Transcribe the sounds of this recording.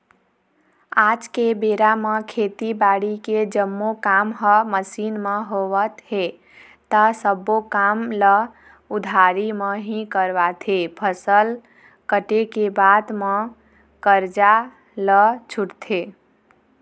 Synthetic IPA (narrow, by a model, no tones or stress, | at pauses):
ad͡ʒkebeɾaməkʰet̪ibaɽiked͡ʒəmːokamɦəməsinmeɦowət̪ɦe | t̪əsəbokamlə | ud̪ʱaɾiməɦĩkəɾbat̪ʰepʰəsəl | kəʈekebad̪mə | kəɾd͡ʒa | lət͡ʃʰuʈt̪ʰe